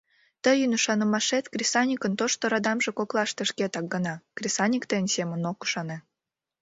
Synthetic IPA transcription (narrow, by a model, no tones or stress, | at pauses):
t̪əjənuʃɑnə̆mɑʃet̪krʲisɑnʲikənt̪oʃt̪oɾɑd̪ɑmʒekoklˠɑʃt̪əʃket̪ɑk̚ɡənɑkrʲisɑnʲikt̪ensemənoku̥ʃɑne